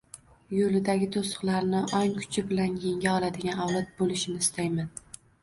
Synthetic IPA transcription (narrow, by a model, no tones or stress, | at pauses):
jolɪd̪aɡʲɪt̪ʰosʊ̥qlˠaɾnɪʔɒŋkʰʊ̥t͡ʃʰɪbɪlanjeŋɡʲaɒlˠad̪ɪɡʲanɒwlˠɒt̪̚bolɪʃɪnɪɪst̪ajman